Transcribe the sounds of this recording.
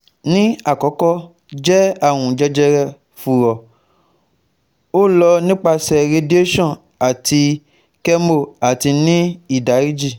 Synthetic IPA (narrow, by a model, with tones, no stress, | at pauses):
nĩ˦a˨kɔ˨˦kɔ˦ | d͡ʒɛ˦a˦˨w̃ũ˨d͡ʒɛ˧d͡ʒɛ˧ɾɛ˧ | fu˨ɾɔ˨ | o˦lɔ˧nĩ˦k͡pa˧sɛ˨ɾe˧di˦o˦ʃɔ̃˦˨ | a˨ti˧ | kɛ˦mo˦˨a˨ti˧nĩ˦i˦˨da˨˦ɾi˦d͡ʒi˦˨